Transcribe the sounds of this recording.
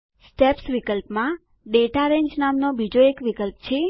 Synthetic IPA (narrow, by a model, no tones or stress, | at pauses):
sʈepsʋikəlpmã | ɖeʈaɾẽɲd͡ʒnamnobʱid͡ʒoekʋikəlpt͡ʃʰe